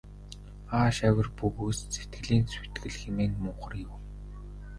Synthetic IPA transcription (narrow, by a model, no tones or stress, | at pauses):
aːʃæwʲə̆rpuɣust͡set̪ɡɘ̆ɮiːnsu̥t̪ɡɘ̆ɮxemeːŋmʊːχə̆rjʊw